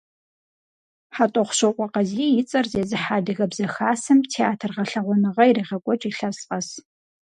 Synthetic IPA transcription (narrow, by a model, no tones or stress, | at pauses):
ħatʼɔχʷʊɕɐqʷʼɔqɐziːjɪt͡sʼɐrzeːzɨħaːdɨɣɐbzɐxaːsɨmtʰeaːtʰɨrʁɐɬɐʁʷɔnɨʁɐjiriːʁɐkʷʼɔt͡ʃʼiːɬɐsqʼɐs